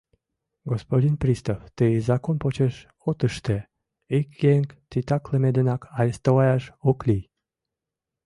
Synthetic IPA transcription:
ɡospod̪ʲinprʲist̪oft̪əzɑkonpot͡ɕeʃ | ot̪əʃt̪e | ikɡeŋkt̪it̪ɑkləmed̪enɑkʰɑjəst̪olɑjɑʃoklij

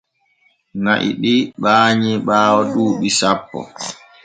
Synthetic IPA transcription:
ŋaʔḭɓiɓaːɲiɓaːwɔɗuːɓisapːɔ̰

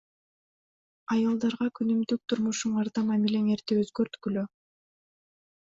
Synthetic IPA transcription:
ɑjɑlˠd̪ɑɾʁɑkʰynymd̪yk̚t̪ʰuɾmuʃuɴɑɾd̪ɑmɑmilʲeŋeɾt̪eøzɡøɾt̪kylø

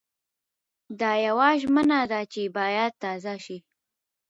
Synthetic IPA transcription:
d̪ɑjawaʒmənad̪at͡ʃebɑjad̪̚t̪ɑzaʃi

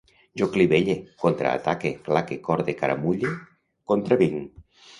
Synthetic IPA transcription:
ʒokliβeʎekont̪ɾa̰a̰t̪akeklakekɔɾðekaɾa̰muʎe | kont̪ɾaβiŋ

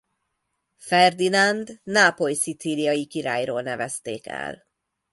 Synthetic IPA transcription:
fɛrd̪inand̪naːpojsit̪silijɒjikiɾa̰ːjroːlnɛvɛst̪eːkɛ̰l

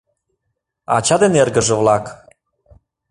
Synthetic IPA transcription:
ɑ̰t͡ɕɑd̪enerɡə̆ʒə̆vlɑk

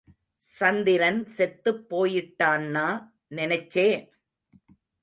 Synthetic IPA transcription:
sɐnd̪ɪɾɐnsɛt̪ːɯpːoːjɪʈːaːnːaː | nɪnɐɪt͡ʃːeː

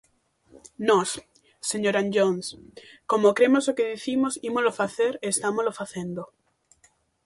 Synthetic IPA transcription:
nɔs | seɲoɾanʎonskomokɾemosokeðiθimosimozlofaθeɾest̪amolofaθẽnd̪o

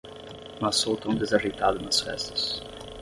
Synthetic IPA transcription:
mɐsowt̪õw̃d̪ezɐʒejt̪ad̪ɐnɐsfɛ̰st̪ɐ̥s

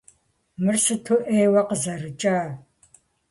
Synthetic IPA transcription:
mɨrsɨtʰuʔeːjwɐqəzɐrɨt͡ʃʼaː

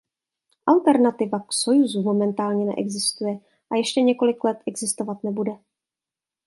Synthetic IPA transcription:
ʔalt̪ɛɾnat̪ɪvaksojuzumo̞mɛnt̪aːlɲɛnɛ̰ʔɛ̰ɡzɪst̪ujɛ | ʔajɛʃcɛɲɛko̞lɪklɛt̪ʔɛɡzɪst̪o̞vat̪nɛbudɛ

